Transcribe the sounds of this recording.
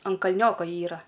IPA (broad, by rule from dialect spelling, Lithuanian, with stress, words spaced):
ɐn kɐlʲˈnʲoːkoː ˈiːrɐ